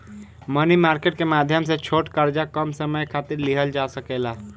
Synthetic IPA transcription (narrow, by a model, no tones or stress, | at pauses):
mənimaːɾkeʈ̚kemaːd̪ʱjəmset͡ʃʰoːʈkəɾd͡ʒakəmsəməjkʰaːt̪ɪɾliɦəld͡ʒaːsəkela